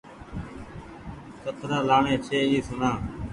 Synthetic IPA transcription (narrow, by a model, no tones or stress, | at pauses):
sət̪ʰɾaːlaːɳẽːt͡ʃʰeːiːsʊnãː